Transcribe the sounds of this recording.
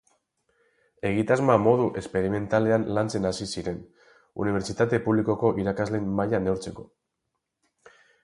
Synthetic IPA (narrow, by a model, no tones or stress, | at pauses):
e̞ɣ̞it̪azmamo̞ð̞uʔe̞spe̞ɾime̞nt̪ale̞anlant͡se̞nasisiɾe̞n | ṵniβ̞e̞ɾt͡ʃit̪at̪e̞puβliko̞ko̞ʔiɾakazle̞mmajane̞wɾt͡se̞ko̞̥